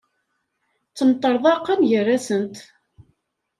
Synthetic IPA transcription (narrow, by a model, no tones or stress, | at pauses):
t͡sːəmt̪ˤːəɾˤðˤɑqːɑmʝərːæsənt̪